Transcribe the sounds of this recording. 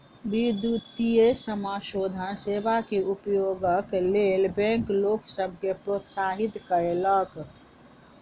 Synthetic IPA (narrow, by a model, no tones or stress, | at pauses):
bid̪ut̪ijesəmaʃoːd̪ʱənseːʋakeʔupjoɡəkleːlbɛ̃ŋkloːksəbʱkepɾot̪saɦit̪kəɾelək